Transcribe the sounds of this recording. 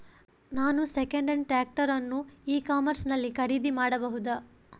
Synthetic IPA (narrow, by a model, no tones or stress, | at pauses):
naːnusekɐɳɖɐɳɖʈɾaːk̚ʈɐɾɐnːuiːkaːmɐɾsnɐlːikʰɐɾiːd̪imaːɽɐbɐɦud̪a